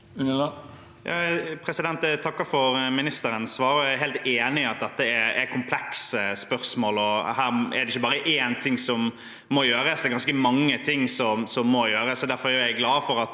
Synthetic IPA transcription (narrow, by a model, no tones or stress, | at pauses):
ʉnə | jɑ̰pʰɾɛsɪd̪ɛnt̪ɛt̪ʰɑkːəfɔɾmɪnɪst̪əɾənsʋɑːɾɔæɪɦeɪlt̪eːnɪɑt̪̚d̪ɛt̪ːəɛɛɾkʰʊmpʰlɛksəspœɾsmoːlɔhæːɾɛ̰ɾd̪ɛɪçːəbɑːɾəʔeːnt̪ʰɪŋsɔmː | ɔjøːɾəsd̪ɛɾɡɑnskəmɑŋːət̪ʰɪŋːsɔmsɔmːɔjøːɾəsɔd̪æɾfɔɾjæjæɪɡlɑːfɔɾɑt̪